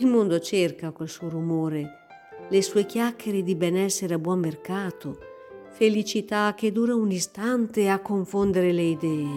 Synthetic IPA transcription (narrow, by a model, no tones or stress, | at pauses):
ilmond̪ot͡ʃerkakolsuorumoːɾe | lesuːek̟jakːeɾed̪ibɛnɛsːeɾeabwɔmːerkaːt̪o | felit͡ʃit̪ak̟ːed̪uːɾaunist̪ant̪eakːoɱfond̪eɾeleid̪ɛːe